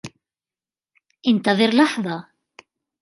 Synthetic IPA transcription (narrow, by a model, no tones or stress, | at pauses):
ɪnt̪aðɪɾlɑħðˤɑ